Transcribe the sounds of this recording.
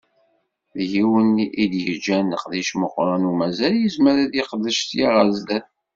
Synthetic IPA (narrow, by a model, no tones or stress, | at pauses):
ðjiwənʔid̪jəd͡ʒænəqðiʃməqːɾˤɑnumæzæljizməɾæðjeqəðːəʃtjaɾˤɑzd̪æθ